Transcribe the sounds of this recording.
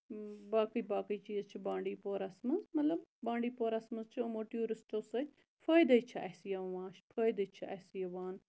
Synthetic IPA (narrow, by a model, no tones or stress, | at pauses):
baːkəjbaːkəjt͡ʃiːzt͡ʃʰibãːɳɖiːpoːɾɐsmɐzmɐt̪lɐbbãːɳɖiːpoːɾɐsmɐzt͡ʃʰiomoʈjuːɾisʈosɐ | fʰəːjd̪ɐjt͡ʃʰiʔɐːsijɐʋãːʃpʰəːjd̪ɐt͡ʃʰiɐ̰ːsijɐʋaːn